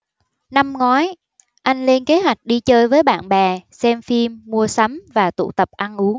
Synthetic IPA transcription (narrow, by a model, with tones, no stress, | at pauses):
na˧mŋɔ˨˦j | ʔa˧jŋ̟le˧nke˨˦ɦwa˨˩jk̟̚ɗi˧t͡ɕəː˧jvəː˨˦jɓa̰ː˧˨nɓɛ˨˩sɛ˧mfi˧mːu˧əsa˨˦mvaː˨˩t̪ṵ˧˩˨t̪ə˨˩p̚ʔa˧nʔu˨˦